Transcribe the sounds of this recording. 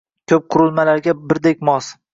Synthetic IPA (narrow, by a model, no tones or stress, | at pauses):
kʲʰɵp̚qʰʊɾʊlˠmalaɾɡʲabɪɾd̪ekʲmɒs